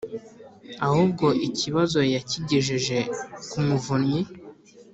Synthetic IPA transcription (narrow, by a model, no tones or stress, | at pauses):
ahub̚ɡo̞ʔiciβazo̞jaciɟiʒiʒe̞kumuvunɲi